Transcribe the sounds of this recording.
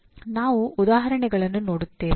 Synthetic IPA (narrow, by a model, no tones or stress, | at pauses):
naːʋuːd̪aːɦɐɾɐɳɛɡɐɭɐnːuno̞ːɽut̪ːe̞ːʋ